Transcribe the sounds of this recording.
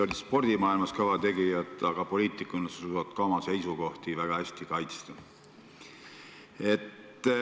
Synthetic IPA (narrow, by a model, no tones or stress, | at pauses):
olʲispo̞rd̪imɑːilmɑskɑvɑt̪e̞ɡijɑd̪ˑɑɡ̥ɑpo̞liːt̪ːˑikːˑunesuuɑt̪kɑomɑse̞jsuko̞ht̪ivæɡ̥ɑhæsʲt̪ikɑjt̪st̪ɑ | e̞t̪ː